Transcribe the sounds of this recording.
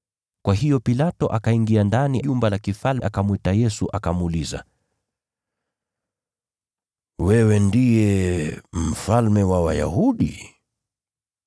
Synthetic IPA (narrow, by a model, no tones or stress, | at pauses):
kwaɦijɔpilatɔʔakaiŋɡiandaniʄumbalakifalʔakamwɛtajɛsuʔakamuliza̰ | wɛwɛndijɛ | m̩falmɛwawaja̰huɗḭ